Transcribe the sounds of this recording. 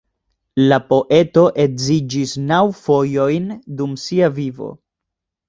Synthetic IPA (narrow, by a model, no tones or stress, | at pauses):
lapo̞ʔe̞to̞ʔe̞zid͡ʒisnawfo̞jo̞jndumsiavivo̞̰